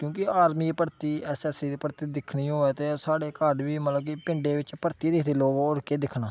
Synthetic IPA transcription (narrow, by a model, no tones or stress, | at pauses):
kjõːkɪaːɾmiːpəɾt̪iːɛːsɛːsiːd̪iːpəɾt̪iːd̪ɪkʰnĩːɦoːeːt̪eːsaːɽeːkəɖʋiːmət̪ləb̚kiːpɪɳɖeːʋɪt͡ʃpəɾt̪iːd̪ɪkʰd̪eːloːɡʊɾkeːd̪ɪkʰnaː